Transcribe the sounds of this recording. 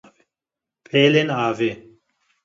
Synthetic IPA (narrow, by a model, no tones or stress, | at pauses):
pʰeːlenaːve